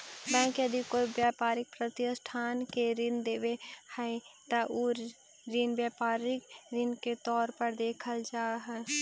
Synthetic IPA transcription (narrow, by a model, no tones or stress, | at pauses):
bɛ̃ːkəd̪ʱikobjaːpaːɾɪk̚pɾət̪jəsʈʰaːnkeɾɪnd̪eːʋehɛt̪aʔoː | ɾɪnbjaːpaːɾɪkɾɪnket̪ɔːɾpəɾd̪eːkʰəld͡ʒaːɦɛː